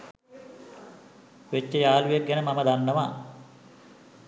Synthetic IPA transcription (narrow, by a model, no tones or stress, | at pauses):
ʋet͡ʃːəjaːlujek̚ɡænəmaməd̪anːəʋaː